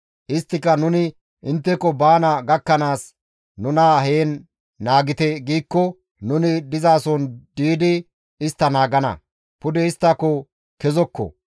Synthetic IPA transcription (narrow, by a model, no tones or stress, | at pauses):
ʔɪst̪ːɪkːɐnʊnɪ | ʔɪnt̪ːɛkɔbaːnɐɡɐkːɐnaːs | nʊnɐɦeːnː | aːɡɪt̪ɛɡiːkːɔ | nʊnɪd̪ɪzaːsɔnd̪iːd̪ɪ | ɪst̪ːɐnaːɡɐnɐ̰ | pʊd̪ɛɪst̪ːɐkɔ | kɛzɔkːɔ̰